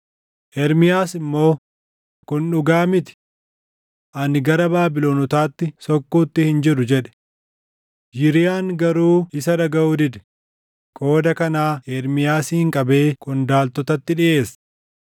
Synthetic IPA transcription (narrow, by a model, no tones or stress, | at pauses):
ʔɛɾmɪjaːsɪmːo̞ː | kʊnᶑʊɡaːmɪt̪ɪ̥ | ʔɐnɡɐɾɐbaːbɪloːnɔt̪aːt̪ːɪsɔkːuːt̪ːɪhɪnd͡ʒɪɾʊd͡ʒɛᶑɛ̥ | d͡ʒɪɾɪjaːŋɡɐɾuːɪsɐdɐɡɐʔuːd̪ɪd̪ɛ̥ | kʼo̞ːd̪ɐkɐnaːʔɛɾmɪjaːsɪɪŋkʼɐbe̞ːkʼʊnd̪aːlt̪ɔt̪ɐt̪ːɪᶑɪʔe̞ːs